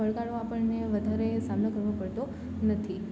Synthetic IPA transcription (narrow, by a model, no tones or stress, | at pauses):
əɭɡaɭoapəɳneʋəd̪ʱaɾesamnokəɾʋopəɭt̪o | nət̪ʰi